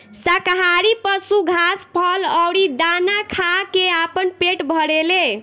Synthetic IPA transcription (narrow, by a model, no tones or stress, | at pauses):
sakɦaɾipəsuɡʱaspʰəlɔwɾid̪anakʰakeapənpeʈbʱəɽele